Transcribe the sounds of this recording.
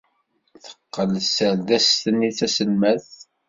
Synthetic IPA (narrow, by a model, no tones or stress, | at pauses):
θə̥qːəlsəlðæst̪ənːiθæsəlmæθ